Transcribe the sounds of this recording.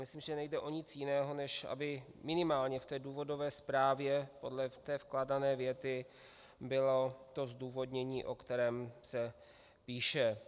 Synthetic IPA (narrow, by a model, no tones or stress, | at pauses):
mɪsliːmʒɛnɛjdɛʔo̞ɲɪt͡sjɪnɛːɦo̞nɛʃʔa̰bɪmɪnɪmaːlɲɛft̪ɛːduːvo̞do̞vɛːspɾaːvjɛpo̞dlɛt̪ɛːfklaːdanɛːvjɛt̪ɪ | bɪlo̞t̪o̞zduːvo̞dɲɛɲiːʔo̞kt̪ɛɾɛːmsɛ | piːʃɛ